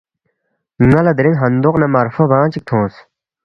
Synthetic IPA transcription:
ŋɐlɐd̪ɾiŋɦɐnd̪uqnɐmɐɾfɐbãːt͡ɕik̚t̪ʰõːs

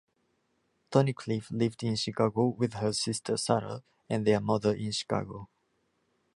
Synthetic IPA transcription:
t̪ʰɔnikʰliflɪvdɪ̃nʃikʰaɡowɪðhəsɪstʰə˞sæɹə̰ | ɨ̃nðə˞mʌðə˞ʔɪ̃nʃi̥kʰa̰ɡo

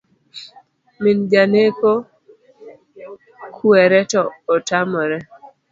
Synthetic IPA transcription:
mɪnd͡ʒaneko | kʰuɛɾɛtɔːtamɔɾɛ

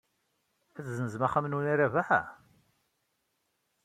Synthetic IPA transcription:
æθzənəzmaχæmnuniɾævaħæ̰

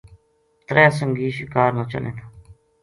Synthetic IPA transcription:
t̪ɾɛːsəŋɡiːʃɪkaːɾnaːt͡ʃə̰lḛ̃ːt̪ʰaː

